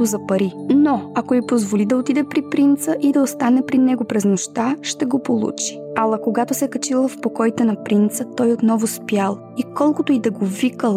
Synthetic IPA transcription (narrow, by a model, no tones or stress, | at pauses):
ʊzɐpɐɾinoɐkoipozvolid̪ɐot̪id̪ɛpɾipɾint̪səʔid̪ɐost̪anɛpɾinɛɡopɾɛznoʃt̪aʃt̪ɛɡopolˠṵt͡ʃi̥alˠɐkoɡat̪ʊsɛkɐt͡ʃilˠəfpokɔjt̪ɛnɐpɾint̪sət̪ɔjot̪nɔvʊspjalˠ | ikɔlˠkʊt̪oid̪ɐɡovikəlˠ